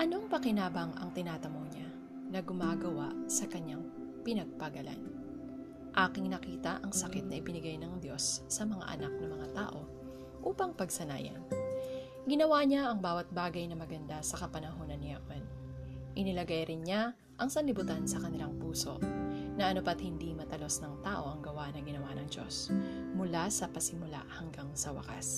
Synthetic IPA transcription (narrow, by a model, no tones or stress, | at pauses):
ʔɐno̞ŋpɐkɪnaːbɐŋʔɐ̰ŋt̪ɪnaːt̪ɐmoɲa | nɐɡʊmaːɡɐwaʔsɐkɐɲaŋ | pɪnɐɡ̚pɐɡɐla̰n | ʔaːkɪŋnɐkiːt̪ɐ̰ʔɐŋsɐkɪt̪̚nɐʔɪbɪnɪɡajnɐŋd̪jo̞sːɐmɐŋa̰ʔɐ̰nak̚nɐmɐŋat̪a̰ːʔo̞ | ʔuːpɐŋpɐɡ̚sɐna̰ːjɐ̰n | ɡɪnɐwaɲaʔɐŋbaːwɐt̪̚baːɡɐjnɐmɐɡɐnd̪asɐkɐpɐnɐɦo̞ːnɐnːɪa̰ʔwɐn | ʔɪnɪlɐɡajɾɪnɲa | ʔɐŋsɐnlɪbʊt̪ansɐkɐnɪlaŋpuːso̞̰ʔnɐʔɐnopɐt̪̚hɪnd̪imɐt̪ɐlo̞snɐŋt̪aːʔo̞ʔɐŋɡɐwanɐɡɪnɐwanɐŋd͡ʒo̞̰smʊlasɐpɐsɪmʊla̰hɐŋɡaŋsɐwɐ̰ka̰s